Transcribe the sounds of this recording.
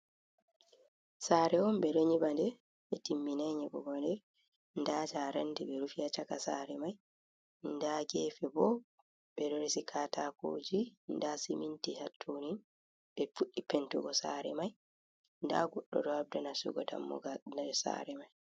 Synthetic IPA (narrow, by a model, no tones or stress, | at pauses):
saːɾɛɔmbɛɾɔɲibandɛ | ɓɛtimːinaɲiɡɔɡɔndɛ | ndaːd͡ʒaɾɛndɛbɛɾufiat͡ʃakasaɾɛmaj | ndaɡɛːfɛbɔ | ɓɛdɔɾesikʰatako̰ːd͡ʒindasimintihatʰːonin | bɛfuɗːipentuɡɔsaɾɛ̰maj | nda̰ɡɔɗːɔ̰dɔab̚dɛnasṵɡɔda̰mːɔ̰ɡanad͡ʒɔsa̰ɾɛmaj